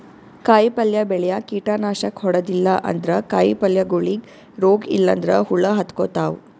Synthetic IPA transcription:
kaːjpɐljɐbɛɭɛjɐkiːʈaːnaːʃɐkhɔɽɐd̪ilːɐʔɐ̰nd̪ɾɐkaːjpɐljɐɡoɭiɡ | ɾoːɡḭlːɐ̰nd̪ɾɐɦuɭːɐɦɐt̪koːt̪aːʋwu

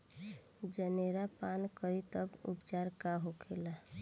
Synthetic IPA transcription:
d͡ʒəneɾapankəɾit̪əbṵpt͡ʃaɾkaɦokʰela

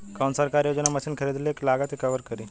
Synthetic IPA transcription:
kawnsəɾkaɾjod͡ʑnaməɕiːnkʰəɾid̪lieklaɡat̪ikəʋəɾkəɾi

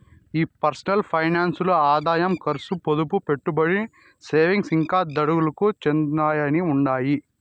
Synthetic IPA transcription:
iːpɐɾsɐnɐlpʰɐjnaːnsloːaːd̪aːjɐmkɐɾsupod̪upupeʈːubɐɽi | seːʋiŋɡsiŋkaːd̪ɐɽuɡulɐkut͡ʃend̪aːjɐniuɳɖaːji

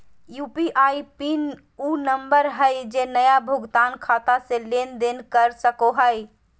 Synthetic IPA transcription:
juːpiʔaipin | unəmbəɾɦəjd͡ʒenəjabʱʊɡt̪aːnkʰat̪asẽlend̪enkəɾsəkoɦəj

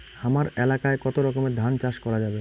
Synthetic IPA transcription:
amaɾelakaekɔt̪oɾɔkomed̪ʱant͡ɕaʃkɔɾad͡ʑabe

